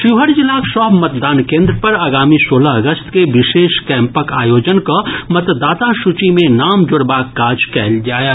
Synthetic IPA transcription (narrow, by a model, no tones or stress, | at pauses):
ʃɪʋɦəɽd͡ʒɪlaːkʃɔːbmɐt̪̚d̪aːnkẽːnd̪ɾəpɐɾaːɡaːmisoːlaɐɡəst̪keʋɪʃeːʃkɛ̃ːmpəkaːjoːd͡ʒənkomɐt̪d̪aːt̪aʃʊt͡ʃimẽnaːmd͡ʒʊɽbaːkːaːd͡ʒkɛːld͡ʒaːja